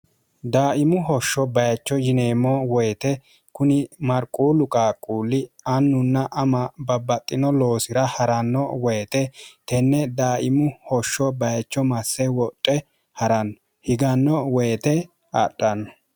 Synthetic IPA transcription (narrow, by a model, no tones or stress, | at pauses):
d̪aːʔɪmʊɦɔʃːɔbɐjɐt͡ʃːɔjɪneːmɔwɔjt̪ɛ | kʊnɪmɐɾkʼuːlʊkʼaːkʼːuːlːɪɐnːʊnːɐʔɐmɐbɐbːɐt̪ʼːɪnɔlo̞ːsɪɾɐhɐɾɐnːɔwɔjt̪ɛt̪ɛnːɛd̪aːʔɪmʊhɔʃːɔbɐjɐt͡ʃːɔmɐsːɛwɔtʼːɛ | hɐɾɐnːɔ | hɪɡɐnːɔwɔjt̪ɛ | a̰ɗʼɐnːɔ